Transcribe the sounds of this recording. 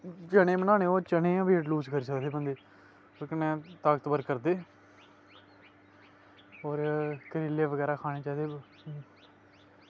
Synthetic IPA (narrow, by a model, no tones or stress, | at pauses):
t͡ʃənẽːbənaːneːoːt͡ʃəɳẽːãːʋiːʈluːskəɾiːsəkd̪eːbənd̪eː | okənɛ̃ːt̪aːɡət̪bəɾkəɾd̪eː | oːɾkəɾɪlːeːʋəɡɛːɾaːkʰaːneːt͡ʃaːd̪eː